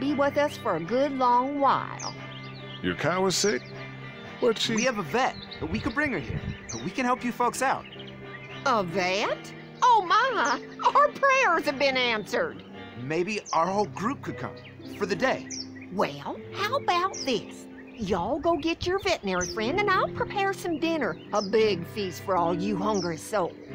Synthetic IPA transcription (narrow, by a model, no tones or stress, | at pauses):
biwɪðʌsfə˞ɨɡʊdˡlɔ̃ŋwa̰ɪlˠ | jə̰˞kʰaʊəz̥sɪk̚ | wʌtʃiwiɨvəvɛt̪̚ð̥ət̚wikɨd̚bɹɪ̃ŋə˞hḭɹb̥ʌt̚wikɨ̃nhɛlˠpjɨfoʊksaʊt̚ | əvɛt | oʊma | əə˞pʰɹ̥ɛɹz̥ɨvbɨ̃næ̃nsə˞d̥ | meɪbiaʊə˞hoʊlˠɡɹup̚kʰɨd̚kʰʌ̰̃m | fə˞ðɨdeɪ | wɛlˠhaʊəbaʊt̪̚ðɪs | jɨɔlˠɡoʊɡɛt͡ʃə˞vɛʔnɛɹifɹɛ̃ndɨ̃naɪlˠpʰɹ̥ipʰɛɹsʌ̃mdɪ̃nə˞əbɪɡfistfə˞ɔlˠjɨhʌ̃ŋɡə˞ɨ̥soʊ